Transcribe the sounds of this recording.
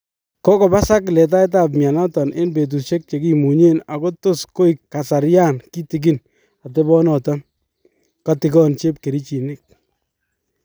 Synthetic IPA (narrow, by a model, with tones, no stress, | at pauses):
kɔ˦kɔ˨ba˦sa˦klɛ˨t̬a˦ɪ˦t̬a˦p̬̚mja˨nɔ˦tɔ˨nʔe˦nbe˨t̬u˨ʃe˦k̚t͡ʃe˨ki˦mu˨ɲe˦na˨ko˦tʊ˦sko˦i˨kːa˨sa˨ɾja˦nki˦ti˨k̬i˦n | a˨t̬e˦bɔ˦nɔ˨ta˦ | ka˨tɪ˨kɔ˦nt͡ʃe˦pke˨ɾi˦t͡ʃi˨nɪ˦k̚